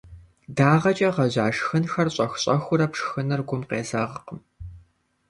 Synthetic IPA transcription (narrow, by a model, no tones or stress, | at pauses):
daːʁɐt͡ʃʼɐʁɐʑaːʂxɨnxɐrɕʼɐxɕʼɐxʷʊɾɐpʂxɨnɨrɡʷʊmqeːzɐʁqəm